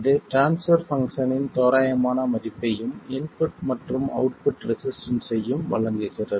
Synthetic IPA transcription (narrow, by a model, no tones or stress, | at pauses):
ðɯʈɾaːnsfɐɾfɐŋkʂɐnɪnt̪oːɾaːjɐmaːnɐmɐðɪpːɐjɯmɪnpʊʈmɐʈrɯmɐ̰ʊʈ̚pʊʈɾɪsɪsʈɐnsɐjːɯmʋɐ̰ɭɐŋɡ̪ɐsɪrːɐðɯ